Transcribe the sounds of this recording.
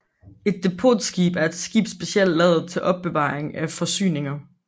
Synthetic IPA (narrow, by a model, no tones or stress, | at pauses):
e̝d̥ːe̝pʰo̰ːd̥sɡ̥ḭːb̥æɐe̝d̥sɡ̥ḭːb̥sb̥e̝siel̰d̥lɛð̩ˠt͡sʰe̝lʔɒ̽b̥̚ːe̝ʋɑ̰̈ːʁeŋæfɒ̽sy̰ːne̝ŋɐ